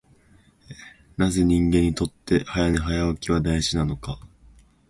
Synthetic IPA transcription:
e | naze̞ɲ̟ĩŋɡẽ̞ɲ̟ːit̪o̞t̪ːe̞hajaneɦajaβakʲiβad̪aiʑinano̞ka

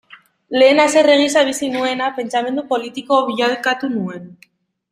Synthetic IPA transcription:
le̞ːnase̞re̞ɣ̞isaβ̞isinue̞nape̞nt͡same̞nd̪upo̞lit̪iko̞βialkat̪unue̞n

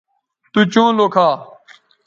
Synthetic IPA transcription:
t̪uːt͡ʃõːloːkʰaː

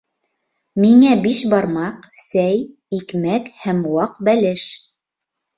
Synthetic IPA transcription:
miŋæbiʃbɑɾmɑqsæj | ikmækhæmwɑqbælɘʃ

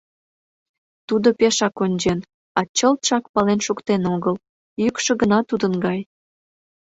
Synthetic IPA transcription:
t̪ud̪opeʃɑkonʲd͡ʑen | ɑt͡ɕəlt̪ʃɑkpɑlenʃukt̪enoɣəl | jykʃə̆ɡənɑt̪ud̪ənɡɑj

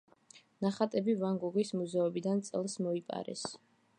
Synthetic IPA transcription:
naχat̪ʼɛbivaŋɡuɡismuzɛɔbid̪ant̪sʼɛlˠsmɔipʼa̰ɾɛ̰s

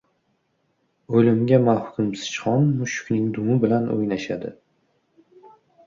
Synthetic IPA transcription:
ɵlɪmɡʲamahʊkʰʲʊmsɪ̥t͡ʃχɒnmʊʃʊ̥kʲnɪŋd̪ʊmɪbɪlano̰jnaʃad̪ɪ

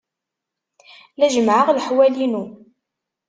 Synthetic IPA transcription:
læʒəmʕəʁləħwælinu

